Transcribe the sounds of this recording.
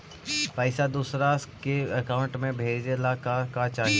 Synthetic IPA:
paːɪsad̪uːsɾaskeɐkaːʊ̃ɳʈmẽbʱeːd͡ʒelaːkakat͡ʃaː

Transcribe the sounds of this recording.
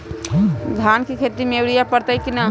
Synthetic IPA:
ɡʱaːnkikʰet̪imewɽijapəɾt̪ajkina

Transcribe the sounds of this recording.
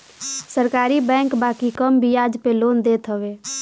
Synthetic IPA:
səɾkaːɾibɛ̃ːŋkbaːkikəmbʱijaːd͡ʒpeloːnd̪eːt̪ɦəʋeː

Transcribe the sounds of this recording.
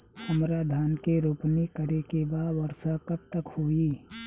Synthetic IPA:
əmɾaːd̪ʱaːnkeɾoːpnikəɾekebaːd̪ʋɐɾsakɐb̚t̪əkhuiː

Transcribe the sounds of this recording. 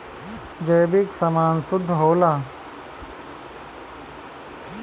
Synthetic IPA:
d͡ʒeːbiksɐmaːnsʊd̪ʱːɦoːlaː

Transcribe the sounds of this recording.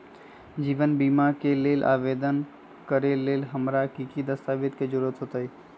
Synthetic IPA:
d͡ʒiʋənbimakelelʔa̰ʋed̪ən | kəɾelelɦəmɾakikid̪əst̪aʋit̪ked͡ʒuɾət̪ɦot̪əj

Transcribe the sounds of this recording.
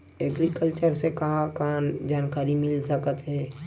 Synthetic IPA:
ɛɡɾikəlt͡ʃəɾsekɐɦãkand͡ʒaːnkaɾimɪlsəkət̪ɦɛː

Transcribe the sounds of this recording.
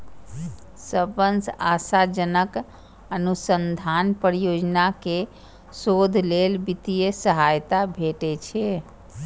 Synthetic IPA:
səbənsasad͡ʒənək | ənusənd̪ʱanpəɾijod͡ʒnake | sod̪ʱlelbit̪ijəsəɦajt̪abʱeʈɛt͡ʃʰɛ

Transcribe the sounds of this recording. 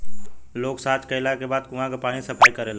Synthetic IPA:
loːksaːt͡ʃkəɪlakebaːd̪kʊɦãkepaːñĩsəpʰaːikəɾela

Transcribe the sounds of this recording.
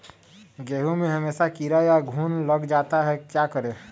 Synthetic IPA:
ɡeːɦumeɦəmeːsakiɾajaɡʱuːnləɡd͡ʒaːt̪aɦɛkjakəɾe

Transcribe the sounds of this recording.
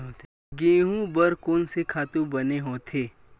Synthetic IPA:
ɦoːt̪e | ɡẽːɦũbɐɾkoːnsekʰaːt̪ũbɐneɦoːt̪ʰeː

